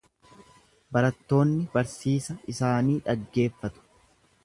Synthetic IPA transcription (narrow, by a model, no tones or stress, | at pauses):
bɐɾɐt̪ːo̞ːnːɪbɐɾsiːsɐɪsaːniːᶑɐɡːe̞ːfːɐt̪ʊ̥